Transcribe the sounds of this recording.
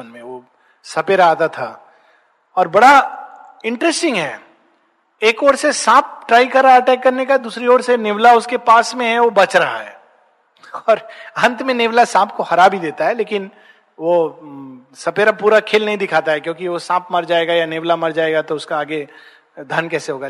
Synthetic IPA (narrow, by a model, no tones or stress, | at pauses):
ənmẽʋo | sɐpeːɾaaːt̪at̪ʰa | ɔːɾbɐɽa | ɪ̃ɳʈɾɛsʈɪ̃ŋɡɦɛː | eːkɔːɾsesãːp̚ʰʈɾaːikɐɾaɐʈɛːkːɐɾnekad̪uːsɾiɔːɾsenɪʋlaʊskepaːsmẽɦɛʋobɐt͡ʃɾɐɦa̰ɦɛ̰ː | ɔːɾɦɐ̃nt̪mẽneːʋlasãːpʰkoxɐɾaːbʱid̪eːt̪aɦɛleːkɪn | ʋo | sɐpeːɾapuːɾakʰeːlnɐɦĩd̪ɪkʰaːt̪aɦɛkjõːkiʋosãːp̚ʰmɐɾd͡ʒaːeːɡajaneːʋlamɐɾd͡ʒaːeːɡat̪oʊskaːɡe | d̪ʱɐnkɛːseɦoːɡa